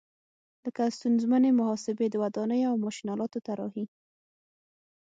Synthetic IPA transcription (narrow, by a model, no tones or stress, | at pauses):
ləkast̪unzmanemʊhɑsɪbed̪əwad̪ɑnəjoawmɑʃinɑlɑt̪ot̪aɾɑhi